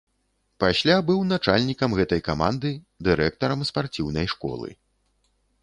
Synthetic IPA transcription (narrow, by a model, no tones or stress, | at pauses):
pasʲlʲabɨwnat͡ʂalʲnʲikɐmɣɛt̪ɐjkamand̪ɨ | d̪ɨɾɛkt̪ɐɾɐmspart͡sʲiwnɐjʂkɔ̰lˠɨ̰